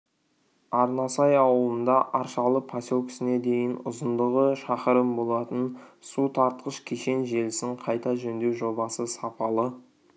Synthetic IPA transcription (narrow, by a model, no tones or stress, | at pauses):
ɑɾnɑsɑjɑwəlˠənd̪ɑʔɑɾʃɑlˠəpʰasʲokʲʰɪ̥sɪne̞d̪e̞jɪnʊ̰zənd̪əʁəʃɑqəɾəmbo̞lˠɑt̪ənsut̪ʰɑɾt̪qəʃkʲʰeʃe̞nʒe̞lɪsɪɴqʰɑjt̪ɑʒɵnd̪e̞wʒo̞bɑsəsɑpʰɑlˠə